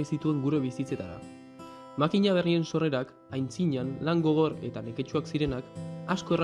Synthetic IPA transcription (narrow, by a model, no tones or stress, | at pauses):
isit̪ue̞ŋɡuɾe̞βisit͡se̞t̪aða̰ | makiɲaβ̞e̞rie̞nso̞re̞ɾak | ajnt͡siɲanlaŋɡo̞ɣ̞o̞ɾe̞̰t̪ane̞ke̞t͡ʃuaksiɾe̞nakasko̞er